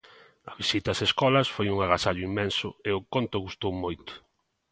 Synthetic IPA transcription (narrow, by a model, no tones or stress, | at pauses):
ɐβisit̪ɐseskɔlɐsfojuŋaɣasaʎʊimːɛnsʊeʊkont̪ʊɣust̪owmojt̪ʊ̥